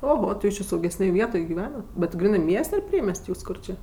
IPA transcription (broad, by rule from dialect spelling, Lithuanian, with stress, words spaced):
oːˈɣoː tʲɪ ˈjuːs t͡ʃʲɪ sɐʊɡʲɛsʲˈnʲeːj ˈʋʲiɛtoːj ɡʲɪˈʋʲæːnɐt bʲɛt ˈɡrʲiːnɜ ˈmʲiɛsʲtʲ ɐr ˈpʲrʲiɛmʲɛsʲtʲ ˈkʊr t͡ʃʲɪ